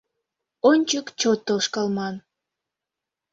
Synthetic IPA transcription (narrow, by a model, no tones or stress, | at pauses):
onʲt͡ɕəkt͡ɕot̪ːoʃkɑlmɑn